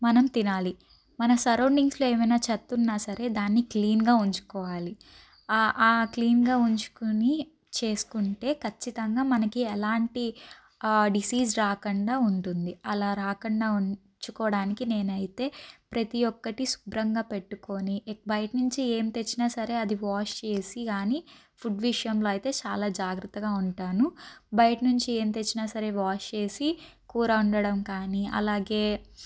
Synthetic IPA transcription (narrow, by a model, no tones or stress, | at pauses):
mɐnɐmt̪inaːli | mɐnɐsɐɾɐwɳɖiŋslo̞ːeːmɐjnaːt͡ʃɐt̪ːunːaːsɐɾe̞ːd̪aːnːikliːnɡaːuɲt͡ʃu̥kɔːʋaːli | ʔaːkliːnɡaːuɲt͡ʃu̥kuni | t͡ʃe̞ːsu̥kuɳʈe̞ːkʰɐt͡ʃːit̪ɐŋɡaːmɐnɐkiɛlaːɳʈi | ɖisiːsɾaːkɐɳɖaːuɳʈund̪iɐlaːɾaːkɐɳɖaːuɲ | t͡ʃukɔːɽaːnikine̞ːnɐjit̪e̞ːpɾɐt̪ijɔkːɐʈisu̥bɾɐŋɡaːpe̞ʈːuko̞ːnibɐjʈnuɲt͡ʃie̞ːmt̪e̞t͡ʃːinaːsɐɾe̞ːɐd̪iʋaːʂt͡ʃe̞ːsikaːni | pʰuɖʋiʂɐjɐmlo̞ːɐjt̪e̞ːt͡ʃaːlaːd͡ʒaːɡɾɐt̪ːɐɡaːuɳʈaːnubɐjʈnuɲt͡ʃie̞ːmt̪e̞t͡ʃːinaːsɐɾe̞ːʋaːʂt͡ʃe̞ːsi | kuːɾɐuɳɖɐɽɐmkaːniɐ̰laːɡe̞ː